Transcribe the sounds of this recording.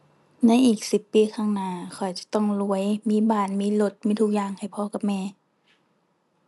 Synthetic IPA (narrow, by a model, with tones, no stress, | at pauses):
na˧˥˨jʔiː˨˩k̚si˧˩pːiː˧˦kʰaː˧˥˩ŋnaː˧˩kʰɔ˨˩jt͡ɕa˧˦t̪ɔ˧˥˩ŋlu˧əjmiː˧˥˨baː˧˩nmiː˧˥˨lo˧˩t̪̚miː˧˥t̪ʰuː˧˩k̚jaː˧˩ŋha˨˩jpʰɔː˧˦ka˧˦mɛː˧˩˨